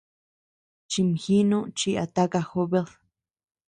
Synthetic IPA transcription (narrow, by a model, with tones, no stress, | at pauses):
t͡ʃi˧m˨xi˦nũ˦t͡ʃi˧a˨t̪a˦ka˧xo˦βe˦l